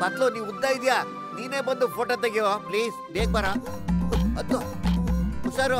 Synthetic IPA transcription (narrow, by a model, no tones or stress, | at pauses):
bɐt̪loniːʋud̪ːaːid̪ijaː | niːneːbɐnd̪upʰoːʈoːt̪̬ɐɡiʋopliːsb̪eːk̚bɐɾa | ɐd̪u | usaːɾu